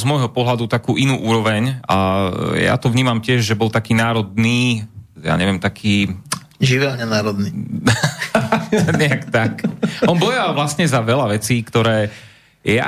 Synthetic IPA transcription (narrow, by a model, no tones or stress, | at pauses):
zmɔjɦɔpɔɦlad̪ut̪akuːʔinuːʔuːɾɔʋɛɲaja̰t̪ɔʋɲiːmamcɪɛʒʒɛbɔlt̪akiːnaːɾɔd̪̚niːja̰ːɲɛʋɪɛmt̪akʰiː | ʒiʋɛlɲɛnaːɾɔd̪ni | ɲɛakt̪akɔnbɔjalʋlast̪ɲɛzaʋɛlaʋɛt͡siːkt̪ɔɾɛː | ja̰